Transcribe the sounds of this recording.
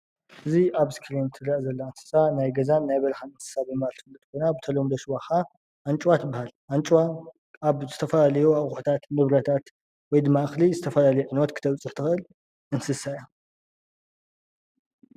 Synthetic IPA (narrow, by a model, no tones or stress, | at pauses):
ʔɨziʔaβskʰɾint̪ʰɨɾaʔzɐlːaɨnsɨ̥sanajɡɐzanːajbɐlxanɨnsɨ̥sabɨmalt̪ʰɨ̥fɨlːɨt̪kʰonabɨt̪ʰɐlomd̪ɐʃwaxa | ʔant͡ʃʼwat̪ʰɨbːahalʔant͡ʃʼwa | aβzɨt̪ʰɐfɐlalɐjoaħut̪ʰat̪nɨβɾɐt̪ʰat̪ | wɔjd̪ɨmːaɨxlizɨt̪ʰɐfɐlalɐjuʕɨnwɔt̪kɨ̥t̪ʰɐβt͡sʼɨħt̪ʰɨxʔɨl | ʔɨnsɨsaja